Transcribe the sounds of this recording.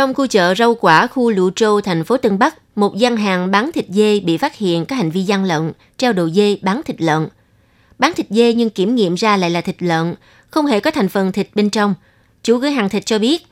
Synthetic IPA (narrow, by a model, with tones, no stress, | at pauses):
t͡ɕɔ˧wŋ͡mxu˧t͡ɕə̰ː˧˨zə˧wkwaː˧˩xu˧lṵ˧˨t͡ɕo˧t̪ʰa˨˩jŋ̟fo˨˦t̪ɨ˧ŋɓa˦˥k̚mo˨˩t̚za˧nɦaː˨˩ŋɓaː˨˦nt̪ʰï˨˩k̟̚ze˧ɓḭ˧˨faː˦˥t̚hḭ˧˨ənkaː˨˦˥ha˨˩ŋ̟vi˧za˧nlə̰˧˨n | t͡ɕa˧wɗo˨˩jze˧ɓaː˨˦nt̪ʰï˨˩k̟̚lə̰˧˨n | ɓaː˨˦nt̪ʰï˨˩k̚ze˧ɲɨ˧ŋki˧˩əmŋḭ˧˨əmzaː˧la̰ː˧˨jlaː˨˩t̪ʰï˨˩k̟̚lə̰˧˨n | xə˧wŋ͡mhe˧˩kɔ˨˦t̪ʰa˨˩jŋ̟fə˨˩nt̪ʰi˨˩k̟̚ɓe˧nt͡ɕɔ˧wŋ͡m | t͡ɕu˧˩˦ɣɨ˨˦ɦaː˨˩ŋt̪ʰi˨˩k̚t͡ɕɔ˧ɓi˦˥ət̚